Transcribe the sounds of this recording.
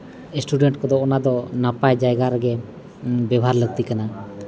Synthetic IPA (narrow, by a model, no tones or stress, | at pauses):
esʈuɖeɳʈ̚kɔd̪ɔːnad̪ɔnapajd͡ʒajɡaɾəɡɛ | bɛbʱaɾləɡ̚t̪ikana